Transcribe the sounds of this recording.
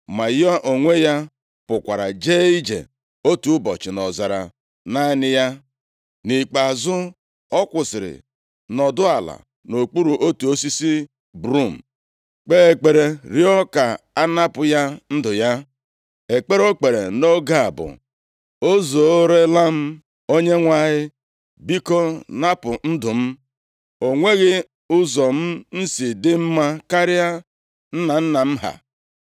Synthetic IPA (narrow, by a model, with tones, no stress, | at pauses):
ma˨jɔ˦ʔo˨ŋʷe˦ja˦ | pʊ˨kʷa˨ɾa˨d͡ʒe˦i˦d͡ʒḛ˨ | o˦tu˦bɔ˨t͡ʃɪ˨nɔ˨za˨ɾa̰˨ | na˦nɪ˦ja˦ | ni˨k͡pa˨zʊ˦ | ɔ˦kʷʊ˨sɪ˨ɾɪ̰˨ | nɔ˨dʊ˦a˨la̰˨ | no˨k͡pu˦ɾu˨ʔo˦tu˨o˦si˦si˦ | bɾu˦˨m̩˨ | k͡pe˦e˨k͡pe˨ɾe˦ɾi˦ɔ˦ka˨a˦na˦pʊ˨ja˦n̩˦dʊ˨ja˦ | e˨k͡pe˦ɾo˦k͡pe˨ɾḛ˨no˦ɡa˨a̰˨bʊ̰˨ | o˦zo˨o˦ɾe˦la˦m̩˦ | o˦ɲe˦ŋʷa˦ɦɪ˦ | bi˦kɔ˦na˦pʊ˨n̩˦dʊ˨m̩˦ | o˨ŋʷe˦ɣɪ˦ | ʊ˦zɔ˨m̩˦n̩˦si˨dɪ˦m̩˦ma˦ka˦ɾɪ˦a˦ | n̩˦na˨n̩˦na˨m̩˦ɦa̰˨